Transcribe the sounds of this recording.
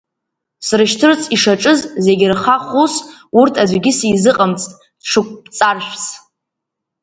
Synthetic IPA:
srɨʃtʰɨrt͡sʰʼiʂaʈ͡ʂʼɨzze̞ɡʲɪrχaχusurtʰad͡ʒʷɡʲɪsijzɨqʼamt͡sʼtʼ | ʈ͡ʂʰɨkʷʼpt͡sʼarʃᶣʷs

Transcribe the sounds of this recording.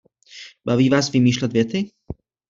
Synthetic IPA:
baviːvaːsvɪmiːʃlɛd̪vjɛt̪ɪ

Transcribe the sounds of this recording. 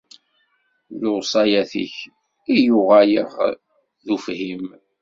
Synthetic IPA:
josˤɑjæθḭç | ijʊʁajəʁ | ðufhim

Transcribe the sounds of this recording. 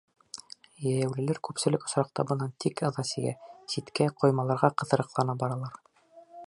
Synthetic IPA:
jæjæwlɘ̆læɾkʉpsɘ̆lɘkŏsɾɑq̚t̪ɑbɤ̆nɑnt̪ikɤ̆ðɑsiɡæ̰sit̪kæqŏjmɑlˠɑɾʁɑqɤ̆ðɤ̆ɾɤ̆qlˠɑnɑbɑɾɑlˠɑɾ

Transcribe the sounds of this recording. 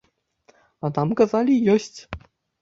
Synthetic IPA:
at̪ɑmkazalʲijosʲtʲ

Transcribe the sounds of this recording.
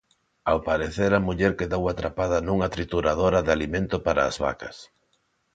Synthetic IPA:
awpaɾeθeɾamuʎɛɾkeðowat̪ɾapað̞ɐnũŋat̪ɾit̪uɾaðoɾaðɪalimẽnt̪ʊpaɾa̰ːzβa̰kɐs

